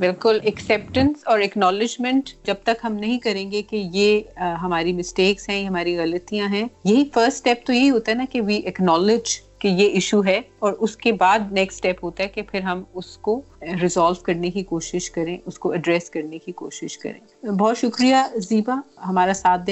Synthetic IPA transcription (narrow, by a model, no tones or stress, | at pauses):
bɪlkʊlɛksɛːp̚ʈə̃nsɔːɾɛknɔːlɪd͡ʒmɛ̃ɳʈd͡ʒɐb̚t̪ɐkɦɐmnɐɦĩkɐɾẽːŋɡekejeɦɐmaːɾimɪsʈeːksɦɛ̃jɦɐmaːɾiɣɐlət̪ijãɦɛ̃jɐɦifəɾsʈːʈɛːp̚t̪ojeɦiɦoːt̪aɦɛnakeʋiːʔɛknɔːlɪd͡ʒkejeʔɪʃuɦɛɔːɾʔʊskebaːd̪nɛksʈɛːpɦoːt̪aɦɛkepʰɪɾɦɐmʊsko | ɾɪzɔːlʋkɐɾnekikoːʃɪʃkɐɾẽːʔʊskoɐɖɾɛːskɐɾnekikoːʃɪʃkɐ̰ɾḛ̃ːbɔːt̪ʃʊkɾijaziːbaɦɐmaːɾasaːt̪̚ʰd̪